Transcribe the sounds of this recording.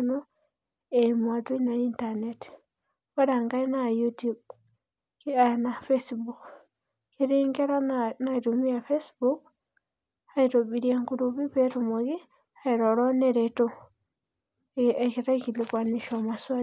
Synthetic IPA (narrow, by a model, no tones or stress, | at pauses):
no | emwatunaintanet | aɾaŋɡainajutub | ianafesbuk | kiɾiːŋɡeɾanaiɾumijafesbuk | haiɾoβiɾjeŋkuɾuβiβetumoɣi | haiɾoɾoneɾeto | ekiɾakilikwaniʃamaswa